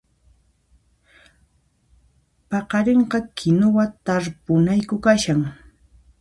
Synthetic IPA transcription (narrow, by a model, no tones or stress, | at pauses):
pɑqɑɾeɴqɑkʰɪnowat̪aɾpʊnajkʊkaʃaŋ